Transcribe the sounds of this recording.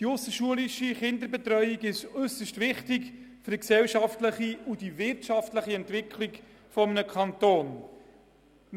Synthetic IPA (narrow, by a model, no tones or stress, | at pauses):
d̥iʊsəʃuəliʃiχɪnd̪əbɛt̪rœʏiɡɪʃʏsəʃtvɪχtɪkfʏɾksɛlʃɑftləχiud̥ivɪrtʃɑftləχiɛntvɪkʰlik | fɔmənəkʰɑnt̪oːn